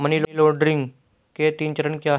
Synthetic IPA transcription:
mənilloːɖɾɪ̃ŋɡ | ket̪ĩːnt͡ʃəɾə̃nkjaː

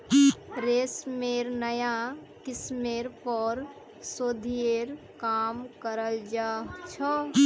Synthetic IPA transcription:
ɾesmeɾnəjat̪ismeɾpɔɾ | sod̪ʱieɾ | kamkəɾəld͡ʒaɦt͡ʃʰɔ

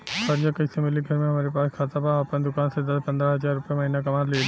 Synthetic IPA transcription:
xɐɾd͡ʒakɐsemɪliɡʱɐɾmẽɦɐmaːɾepaːskʰaːt̪apãaːpənd̪ʊkaːnsed̪ɐspɐ̃nd̪ɾaɦɐzaːɾːʊpjamɐɦiːnakɐmaːɾleː

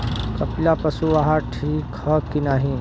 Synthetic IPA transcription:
kɐplapɐsuaɦaʈʰiːkhɐkinaːɦin

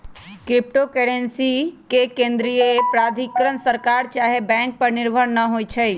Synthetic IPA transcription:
kɾɪp̚ʈokeɽensikekẽnd̪ɾijepɾad̪ʱikɾənsəɾkaɾt͡ʃaːɦebɛ̃ŋk̚pəɾnɪɾbʱəɽnəɦojt͡ʃʰəj

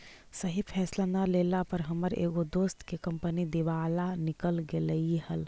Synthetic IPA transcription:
səɦipʰɛːslanalelapəɾɦəməɾḛːɡod̪oːst̪kekə̃mpənid̪eʋaːlanɪkəlɡeləiɦəl

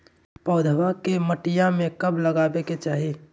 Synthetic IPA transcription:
pɔːd̪ʱəʋakeməʈɪjamẽkɐblɐɡaːbeket͡ʃaːɦi

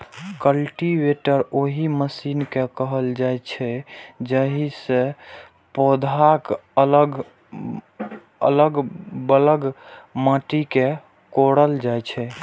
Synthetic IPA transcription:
kəlʈiʋeʈəɾoɦiməsinkekəɦəld͡ʒajt͡ʃʰɛd͡ʒəɦisẽ | pod̪ʱakələɡ | ə̰ləɡbələɡmaʈike | koɽəld͡ʒajt͡ʃʰɛ

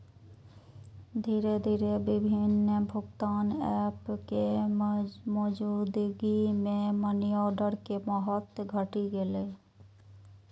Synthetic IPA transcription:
d̪ʱiːɾed̪ʱiːɾebɪbʱɪnəbʱʊɡt̪aːnɛːpke | mɔːd͡ʒud̪ɡimẽmənijɔːɖəɾkemɔɦət̪ɡʱəʈiɡeleː

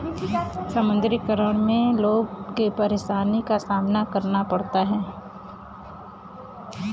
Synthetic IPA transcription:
sɐmə̃nd̪ɾɪkəɾəɽ̃mẽloːɡ̚kepɐɾeːʃaːnikasaːmnakɐɾnapɐɽt̪aɦɛː

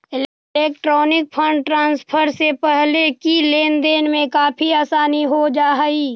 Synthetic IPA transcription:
ɪ | eːk̚ʈɾɔːnɪk̚pʰə̃ɳɖʈɾãːnspʰəɾsepɛɦlekileːnd̪eːnmẽkaːpʰiaːsaːniɦod͡ʒaːɦiː

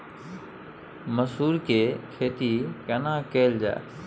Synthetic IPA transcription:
məsuːɾkeːkʰeːt̪ikənãːkeːld͡ʒa̰ː

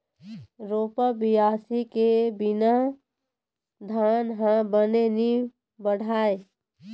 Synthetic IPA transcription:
ɾoːpəbɪjaːsikebɪna | d̪ʱaːnɦãbəneni | bəɽ̤ʱaːe

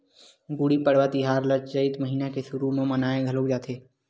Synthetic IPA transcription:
ɡuɽipəɽ̤ʋat̪iɦaːɾləd͡ʒd͡ʒəɪt̪məɦiːnakesʊɾumẽmənaːẽɡʱəlokd͡ʒaːt̪ʰeː

